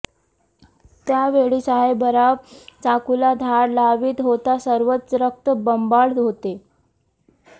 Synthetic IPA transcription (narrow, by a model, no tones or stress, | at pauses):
t̪jaʋeɭisaɦebəɾaʋt͡sakulad̪ʱaɾlaʋiːt̪ɦot̪asəɾʋət̪sɾək̚t̪əbəmbaɽɦot̪e